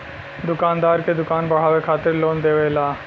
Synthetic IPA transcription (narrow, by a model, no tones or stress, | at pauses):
d̪ʊkaːnd̪aːɾked̪ʊkaːnbɐɽ̤aːʋekʰaːt̪ɪɾloːnd̪eːʋelaː